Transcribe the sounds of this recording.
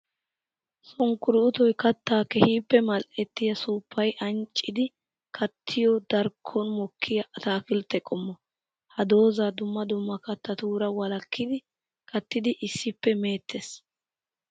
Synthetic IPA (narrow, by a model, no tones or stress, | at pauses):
sɔŋkːʊɾɪʊt̪ɔjkɐt̪ːaːkɛhiːpːɛmɐlʔɛt̪ːɪjɐsuːpːɐjʔɐnt͡ʃʼːɪd̪ɪ | kʰɐt̪ʰːɪjɔd̪ɐɾkʰːɔnmɔkʰːɪjɐɐt̪aːfɪlt̪ːɛkʼɔmːɔ | hɐd̪o̞ːzaːd̪ʊmːɐd̪ʊmːɐkɐt̪ːɐt̪uːɾɐwɐlɐkːɪd̪ɪ | kʰɐt̪ːɪd̪ɪʔɪsːɪpːɛme̞ːt̪ʰːes